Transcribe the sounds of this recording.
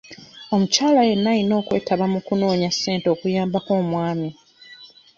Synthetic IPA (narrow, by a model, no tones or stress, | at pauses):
o̞mucaːlaje̞nːajino̞ːkwe̞ːtaβamukuno̞ːɲasːe̞ːntoːkujaːmbakoːmwaːmi